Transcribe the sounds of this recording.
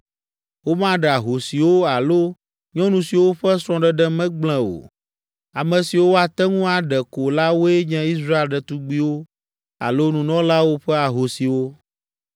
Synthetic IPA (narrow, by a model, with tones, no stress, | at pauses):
wo˦mã˦ɖɛ˨a˨ɦo˨si˨wo˦a˨lo˦ | ɲɔ̃˦nũ˨si˨wo˦ɸɛ˦sɾ̃ɔ̃˦ɖɛ˨ɖɛ˦mɛ̃˦ɡ͡bl̃ɛ̃˦˨o̰˨ | a˨mɛ̃˨si˨wo˦a˨t̪ɛ˦ŋũ˦a˨ɖɛ˨ko˨la˦wo˦e˦ɲɛ̃˦i˦sɾa˦e˦lɖɛ˨t̪u˦ɡ͡bi˦wo˦ | a̰˨lo˦nũ˨nɔ̃˦la˦wo˦ɸɛ˦a˨ɦo˨si˨wo˦